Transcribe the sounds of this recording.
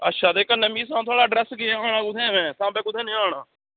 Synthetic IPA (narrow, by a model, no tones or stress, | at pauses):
ə̰tːʃaːd̪eːkənːẽːmiːs̬ãːt̪ʰʊaːɽaːɖɾɛːsɡɪeaːɽãːkʊt̪ʰɛ̃ːʋɛ̃ːt̪ãːbɛ̃ːkʊt̪ʰẽːnĩːaːɳaː